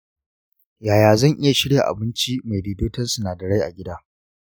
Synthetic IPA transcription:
jaː˨jaː˨zɐ˦˨ŋʔɪ˦ja˨ʃɪ˦ɽja˨ʔa̰˨bɪ˦nt͡ʃi˦ma˨jdiː˨doː˦tɐ˦nsu˨naː˨dɐ˨ɽa˦jʔa̰˨ɡʲɪ˦daː˦

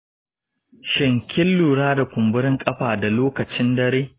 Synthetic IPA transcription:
ʃɪ˨ŋkʲɪ˦lːuː˨ɽaː˦da˨kʷʊ˨mbʊ˦ɾɪ˦ŋkʼɐ˦ɸaː˨da˨loː˦kɐ˨t͡ʃɪ˦ndɐ˦ɾeː˦

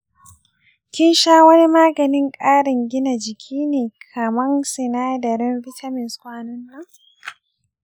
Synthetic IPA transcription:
kʲɪ˦nʃaː˦wɐ˦ni˦maː˦ɡɐ˨nɪ˦ŋkʼaː˦ɽɪ˨ŋɡʲɪ˦na˨d͡ʒɪ˨kʲʰiː˦neː˨kʰɐ˨mɐ˦ŋsɪ˨naː˦dɐ˨ɾɪ˦nɸɪ˦tʰa˦mɪ˨nskʷaː˦nʊ˦nːa˦

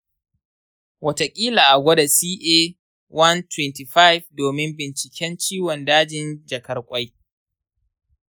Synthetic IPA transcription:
wɐ˦ta˨kʲʼiː˦laː˨ʔa˨ɡʷɐ˦da˨siː˦ʔeː˦ | wɐ˦ntwɛ˦˨nti˨ɸa˦jvdoː˨mɪ˦mbɪ˨nt͡ʃɪ˨kʲɛ˦nt͡ʃiː˦wɔ˨ndaː˦d͡ʒɪ˨nd͡ʒɐ˨kɐ˦rkʷʼa˦j

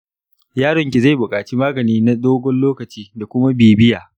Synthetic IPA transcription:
jaː˦ɽɔ˨ŋkʲe˨za˦˨jbʊ˨kʼaː˨t͡ʃi˦maː˦ɡɐ˨niː˦na˦ɗoː˦ɡʷɔ˦nloː˦kɐ˨t͡ʃiː˦da˨kʷʊ˦ma˦beː˨bɪ˦jaː˨

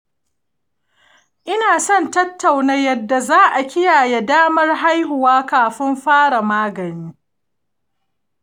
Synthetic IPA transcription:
ʔɪ˦naː˨sɔ˦˨ntɐ˦tːa˨wna˦jɐ˨dːa˨zaː˦ʔa˨kʲɪ˦jaː˨je˦daː˦mɐ˦rɦa˦jɦʊ˨waː˦kaː˨ɸɪ˦mɸaː˦ɽa˨maː˦ɡɐ˨niː˦

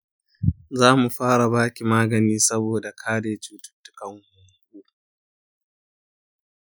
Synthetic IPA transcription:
zaː˦mu˨ɸaː˦ɽa˨baː˦kʲi˨maː˦ɡɐ˨niː˦sɐ˦boː˨da˨kʰaː˦deː˨t͡ʃuː˦tʊ̥˦tːʊ̥˦kɐ˨ŋhʊ˨ŋɡuː˦

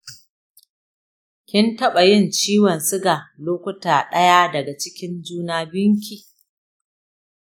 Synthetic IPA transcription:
kʲɪ˦ntɐ˦ɓa˨jɪ˦˨nt͡ʃiː˦wɔ˨nsɪ˦ɡa˨loː˦kʷʊ˦taː˨ɗɐ˦jaː˦dɐ˨ɡa˨t͡ʃɪ˦kʲɪ˦nd͡ʒuː˦naː˦bɪ˦ŋkʲiː˨

